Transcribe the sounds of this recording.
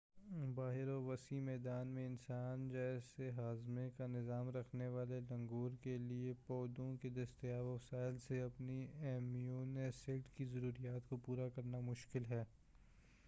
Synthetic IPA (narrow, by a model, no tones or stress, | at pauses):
baːɦɪɾɔːʋɐsimɛːd̪aːnmẽɪnsaːnd͡ʒɛːseɦaːzmẽkanɪzaːmɾɐkʰneʋaːlelɐ̃ŋɡuːɾkeliepɔːd̪õked̪ɐst̪ɪjaːʋɔfsaːɪlseɐpniɛːmijuːneːsɪʈkizɐɾuːɾijaːt̪kopuːɾakɐɾnamʊʃkɪlɦɛː